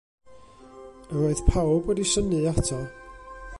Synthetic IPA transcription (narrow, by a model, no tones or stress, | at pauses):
əɾoɨθpʰawbɔdisənɨatʰɔ